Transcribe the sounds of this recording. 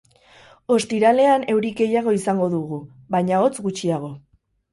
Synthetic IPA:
o̞st̪iɾale̞ane̞wɾike̞jaɣ̞o̞isaŋɡo̞ðuɣu | βajɲao̞t͡sɡut͡ʃiaɣ̞o̞

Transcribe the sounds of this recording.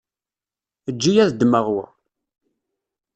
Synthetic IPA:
əd͡ʒːijæðd̪məʁwə̰

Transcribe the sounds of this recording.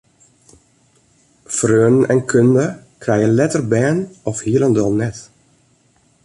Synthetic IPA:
frøːənn̩ɛnkʰøndə | kʰrɛjənlɛtərbɛːnɔfhiələndɔlˠnɛt

